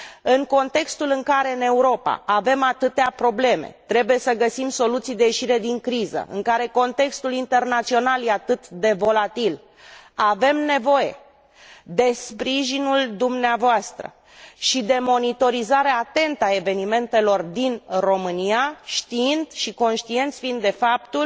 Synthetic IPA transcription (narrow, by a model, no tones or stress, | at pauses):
ɨŋko̞nt̪e̞kst̪ulɨŋkaɾe̞ɨne̞uɾo̞pa̰ave̞mat̪ɨt̪eapɾo̞ble̞me̞̰t̪ɾe̞buje̞səɡəsimso̞lut̪sijd̪ejeʃiɾe̞d̪iŋkɾizə̰ʔɨ̰ŋkaɾe̞ko̞nt̪e̞kst̪ulint̪e̞rnat̪sio̞nalje̞at̪ɨt̪d̪e̞vo̞lat̪il | ave̞mne̞vo̞je̞̰ | d̪e̞spɾiʒinuld̪umneavoast̪ɾə̰ | ʃid̪e̞mo̞nit̪o̞ɾizaɾeat̪e̞nt̪ae̞ve̞nime̞nt̪e̞lo̞rd̪inro̞mɨniaʃt̪iind̪ʃiko̞nʃt̪ie̞nt̪sʲfiind̪e̞fapt̪ul